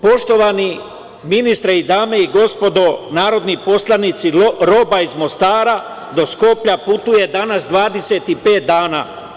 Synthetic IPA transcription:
po̞ʃt̪o̞ʋani | minist̪ɾeid̪aːme̞iɡo̞spo̞d̪o̞naːɾo̞d̪nipo̞slˠanit̪siɾo̞baizmo̞st̪aːɾa | d̪o̞sko̞pʎaput̪uje̞d̪anasd̪ʋaːd̪e̞se̞t̪ipe̞ːt̪̚d̪aːna̰

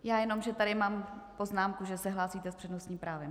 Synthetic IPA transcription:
jaːjɛno̞mʒɛt̪aɾɪmaːmpo̞znaːmkuʒɛsɛɦlaːsiːt̪ɛspr̝̥ɛdnosɲiːpɾaːvɪ

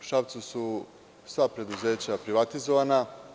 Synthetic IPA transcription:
ʃaʋt̪susu | sʋapɾe̞d̪uze̞ːt͡ɕapɾiʋat̪izoʋana

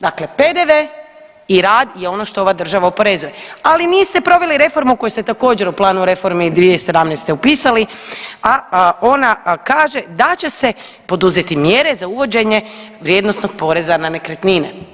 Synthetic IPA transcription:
d̪akle̞pe̞d̪eʋe | iɾaːd̪je̞o̞no̞ʃt̪o̞oʋad̪r̩ʒaʋaopo̞ɾe̞zuje̞aliniːst̪e̞pɾo̞ʋe̞liɾe̞fo̞ɾmuko̞just̪et̪ako̞ːd͡ʑe̞ɾuplˠaːnuɾe̞fo̞ɾmid̪ʋijese̞d̪amnest̪eupiːsaliaonakaːʒe̞d̪at͡ɕe̞se̞ | po̞d̪uzet̪imje̞ɾe̞zauʋo̞d͡ʑe̞ɲe̞ | ʋɾjed̪nosno̞ɡ̥̚po̞ːɾe̞zananekɾet̪nine

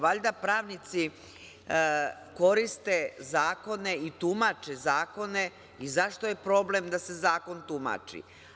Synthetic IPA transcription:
ʋaʎʲd̪apɾaːʋnit̪si | ko̞ɾist̪e̞zaːko̞ne̞it̪umat͡ʃezaːko̞ne̞ | izaʃt̪o̞je̞pɾo̞ble̞md̪ase̞zaːko̞nt̪uma̰t͡ʃḭ

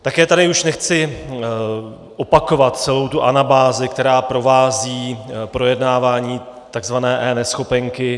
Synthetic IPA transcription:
t̪akɛːt̪adɪuʃnɛxt͡sɪ | ʔo̞pako̞vat̪t͡sɛlo̞wt̪uʔanabaːzɪkt̪ɛɾaːpɾo̞vaːziːpɾo̞jɛdnaːvaːɲiː | t̪aɡzvanɛːʔɛːnɛsxo̞pɛŋkɪ

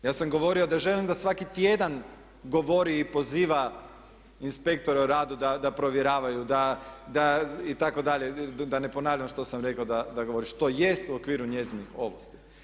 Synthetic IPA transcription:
jaːsamɡo̞ʋo̞ɾio̞d̪aʒe̞limd̪asʋakit̪je̞d̪an | ɡoʋo̞ɾiːpo̞ziːʋa | inspe̞kt̪o̞ɾeuɾaːd̪ud̪ad̪apɾo̞ʋjeɾaːʋajud̪ad̪ait̪ako̞d̪aʎe̞d̪ane̞po̞naːʋʎuamʃt̪o̞samɾe̞kaod̪ad̪aɡo̞ʋo̞ɾiʃt̪o̞je̞st̪uo̞kʋiːɾuɲe̞zinixo̞̰ʋo̰st̪i̥

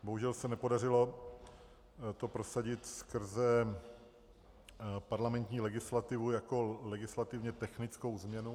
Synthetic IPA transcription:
boɦuʒɛlsɛnɛpo̞dar̝ɪlo̞ | t̪o̞pɾo̞saɟɪt̪skr̩zɛ | paɾlamɛnt̪ɲiːlɛɡɪslat̪ɪvujako̞lɛɡɪslat̪ɪvɲɛt̪ɛxnɪt͡sko̞wzmɲɛnu

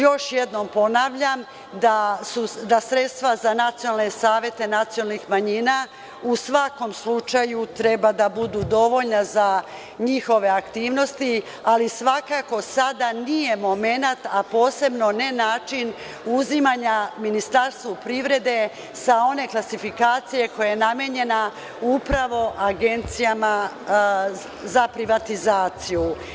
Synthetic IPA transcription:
jo̞ʃjed̪no̞mpo̞naʋʎam | d̪asud̪asɾe̞t̪st̪ʋazanat̪sijonalnesaːʋje̞t̪e̞nat̪sionalnixmaɲiːna | usʋako̞mslut͡ʃajut̪ɾe̞bad̪abud̪ud̪o̞ʋo̞ʎnaza | ɲixo̞ʋe̞akt̪iːʋno̞st̪i | alisʋakako̞sad̪anije̞mo̞me̞nat̪apo̞ːse̞bno̞ne̞naːt͡ʃin | uzimaɲaminist̪aɾst̪ʋopɾiʋɾe̞d̪e̞ | sao̞ne̞klasifikaːt̪sije̞ko̞jajenameɲe̞na | upɾaʋo̞ʔaɡe̞nt̪sijama | zapɾiʋat̪izaːt̪siju

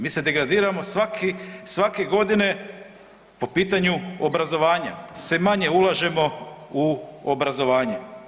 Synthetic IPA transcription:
miːse̞d̪e̞ɡɾad̪iːɾamo̞sʋakisʋake̞ɡo̞d̪ine̞ | po̞piːt̪aɲuobɾazo̞ʋaːɲa̰semaɲe̞ulˠaʒe̞mo̞uobɾazo̞ʋaːɲe

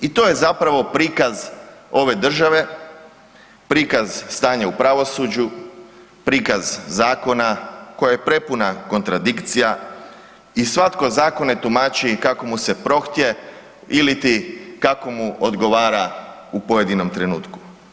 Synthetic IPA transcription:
it̪o̞je̞zapɾaʋo̞pɾiːkazo̞ʋe̞d̪r̩ʒaʋe̞ | pɾiːkazst̪aːɲaupɾaʋo̞suːd͡ʑu | pɾiːkazzaːko̞nako̞jajepɾe̞punako̞nt̪ɾad̪ikt̪sija | isʋat̪ko̞zaːko̞ne̞t̪umaːt͡ɕikako̞muse̞pɾo̞xt̪je̞ | ilit̪ikako̞muod̪ɡo̞ʋaːɾaupo̞je̞d̪ino̞mt̪ɾe̞nṵːt̪ku̥

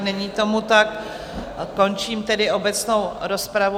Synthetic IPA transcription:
nɛɲiːt̪o̞mut̪akː | o̞nt͡ʃiːmt̪ɛdɪo̞bɛt͡sno̞wɾo̞spɾavu

